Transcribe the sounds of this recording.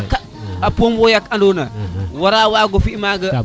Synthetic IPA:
ka | apombojakandonawaɾawaɡofimaɡə

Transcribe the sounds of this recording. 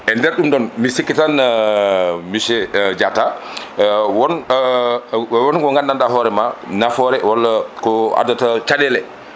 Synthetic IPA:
ʔɛndɛɾɗumɗɔnmisikːitan | miʃɛd͡ʒata | wɔn | wɔnɡɔŋɡandandahɔɾɛmanafɔɾɛwalːakɔa̰datat͡ʃaɗɛlɛ

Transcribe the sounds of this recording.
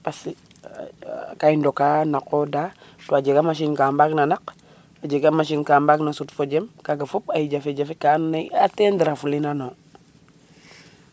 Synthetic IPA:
pas | kaindokanakodatoad͡ʒeɡamaʃ̬inkambaknanak | ad͡ʒeɡamaʃ̬inkambaknasutfod͡ʒemkaɡafupajid͡ʒafed͡ʒafikanːaatendiɾafulinano

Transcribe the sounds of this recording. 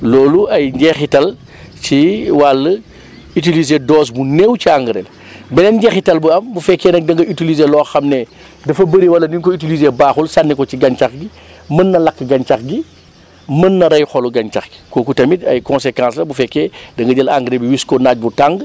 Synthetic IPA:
lɔːluɐjɲɟɛxitɐl | t͡ʃiwalːɐ | it̬ilizedɔːs̬bunewt͡ʃiaŋɡɾḛl | bɛnɛnɲɟɛxitɐlbuɐmbufɛkːɛnɐk̚dɐŋɡɐytilizelɔːxɐmnɛ | dɐfɐbəɾiwɐlːɐndiŋkɔitilizebaːxulsanːikɔciɡɐnt͡ʃaxɡi | mɐnːɐlɐkːɡɐɲt͡ʃaxɡi | mɐnːɐɾɐjxɔluɡɐnt͡ʃaxɡi̥koːkutɐmitɐ̰jkɔ̃nsekãːslɐbufɛkːedɐŋɡɐɟɐlaŋɡɾebiwiskɔnaːc̚butaŋɡ

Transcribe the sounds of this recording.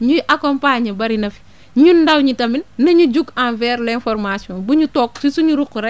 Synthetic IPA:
ɲuʔakɔmpaːɲɐbɐɾinɐfi̥ | ɲundɐwɲitɐminnɐɲud͡ʒuɡãnvɛːɾlɛnfɔɾmasiɔ̃ːnbuɲutɔːk̚sisuɲuɾukːuɾɛ

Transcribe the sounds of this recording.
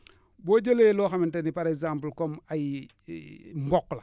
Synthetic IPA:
boɟeleloːxamintenipaɾekzamplkomaji | mbokːla

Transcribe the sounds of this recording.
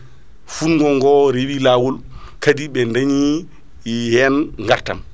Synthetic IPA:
funɡɔŋɡɔɾewilawɔlkadiɓɛndaɲi | hɛnŋɡaɾta̰m

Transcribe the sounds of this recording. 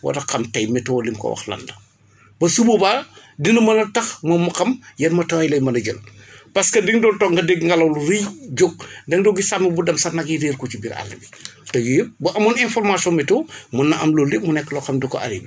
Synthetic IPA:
wɐ̰tɐkɐmtɐjmɛtːɔwlimkɔ̰wɐ̰xlɐ̰ndɐ | bɐsububaː | dinɐmɐnɐtɐxmɔːmːɐxɐmjɐnmɐtɐwjlɐjmɐnɐɟə̰lpɐskɐdiŋdɔltɔːŋɡɐdɛɡŋɡɐlɐwluɾijd͡ʒoɡ̚dɐŋdɔɡisamibudɐmsɐnɐɡiɾeːrkɔt͡ʃibiɾa̰lːibitɐɡibuʔɐmɐninfɔrmasiɔnmɛtɔmɐnːɐʔɐmlɔlimunɛkːəlɔxɐmdukːɔ̰ʔɐ̰ɾḭbi

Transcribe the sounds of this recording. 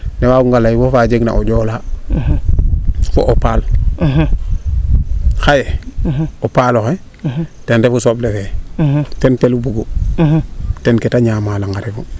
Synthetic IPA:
newakuŋɡalajiwofad͡ʒeɡna̰ʔoɟoːla | foʔopal | xaje | opaloxe | tendefusoblefe | tenpelubuɡo | tenketaɲaːmalaŋaɾefu

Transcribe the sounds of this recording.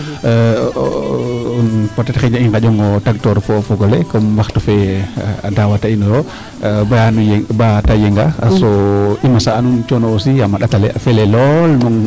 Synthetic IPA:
unpɔtɛtaxɛɲaiŋkad͡ʒɔŋɡɔtaɡ̚tɔɾfɔfɔɡɔlɛkɔmmbaxtɔfɛa̰dawatainɔɾɔ | banujbatajɛŋɡa̰sɔimasaːnunt͡ʃɔnɔsiamaɗatalɛ̰afɛlɛlɔlnɔŋ

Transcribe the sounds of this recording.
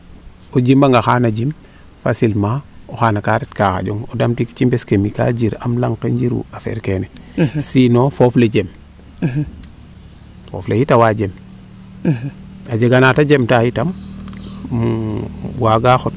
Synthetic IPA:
od͡ʒimbaŋɡaxaːnad͡ʒim | fasilmaoxanakaɾetkaxa̰ɟoŋodamtiki̥t͡ʃimbeskemika̰d͡ʒiɾamlaŋkeɲd͡ʒiɾṵafḛɾkenɛsinofofled͡ʒem | fo̰flehitawad͡ʒem | ad͡ʒeɡanatad͡ʒemtahitam | waɡaxot

